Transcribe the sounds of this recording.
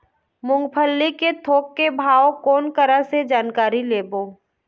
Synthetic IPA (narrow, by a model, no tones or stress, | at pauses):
mʊ̃ŋɡpʰəlːiket̪ʰoːkːebʱaːokɔːnkəɾased͡ʒaːnkaːɾileːboː